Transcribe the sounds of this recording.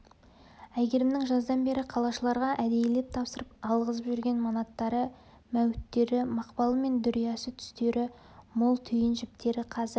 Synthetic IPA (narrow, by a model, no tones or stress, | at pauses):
æjɡʲe̞ɾɪmnɪŋʒɑzd̪ɑnbe̞ɾɪqʰɑlˠɑʃəlˠɑɾʁɑʔæd̪e̞jlep̚t̪ʰɑpsəɾəp̚ɑlˠʁəzəpʒʏɾɡʲe̞nmonɑt̪ːɑɾə | mæwɪt̪ːe̞ɾɪmɑqpɑlˠəme̞nd̪ʏɾijɑsət̪ʰʏ̥st̪e̞ɾʔɪ | molˠt̪ʰʏjɪnʒɪp̚t̪ʰe̞ɾɪqʰɑzɪɾ